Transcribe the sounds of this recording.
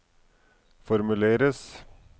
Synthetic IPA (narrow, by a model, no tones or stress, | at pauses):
fɔɾmʉleːɾəs